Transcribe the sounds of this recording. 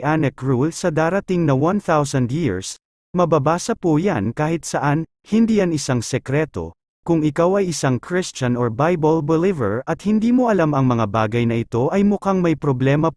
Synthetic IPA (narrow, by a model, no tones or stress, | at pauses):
ʔanɛkɹulsɐd̪aːɾɐt̪iŋnɐwɐnθawsɐnd̪jiɹs | mɐbabaːsɐpujankaːhɪt̪̚sɐʔan | hɪnd̪iːʔɐnɪsaŋsɛkɾɛt̪o̞̰ | kʊŋɪkawɐjʔɪsaŋkʰɹɪst͡ʃɐnoɹbajbɐlbɛlivɛ̰ɹɐt̪̚hɪnd̪iːmoʔɐlamɐŋmɐŋaba̰ːɡɐjnɐʔɪt̪o̞ʔɐjmʊkaŋmɐjpɾoblɛːmɐ